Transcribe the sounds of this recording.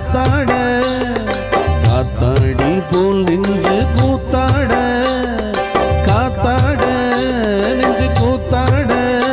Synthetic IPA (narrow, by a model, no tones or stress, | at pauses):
t̪ːaːɽɐ | kaːt̪ːaːɽipoːlnɪɲd͡ʒɯkuːt̪ːaːɽɐ | kaːt̪ːaːɽɐ | nɪɲd͡ʒɯkuːt̪ːaːɽɐ